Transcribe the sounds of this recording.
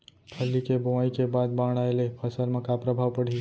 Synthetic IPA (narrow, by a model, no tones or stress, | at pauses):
pʰəlːikeboʋaikebad̪̚bãɽ̃aelepʰəsəlmãkapɾəbʱaʋpəɽ̤i